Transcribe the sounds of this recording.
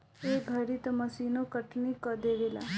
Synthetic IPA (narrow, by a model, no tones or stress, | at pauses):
eːɡʱɐɾit̪ɐmɐsiːnokəʈnikəd̪eːʋela̰